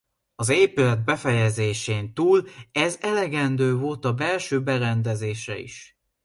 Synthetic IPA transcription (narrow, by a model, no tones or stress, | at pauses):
ɒzeːpylɛd̪̚bɛfɛjɛzeːʃeːnt̪uːlɛzɛlɛɡɛnd̪øːvolt̪ɒbɛlʃøːbɛɾɛnd̪ɛzeːʃɛ̰ḭʃ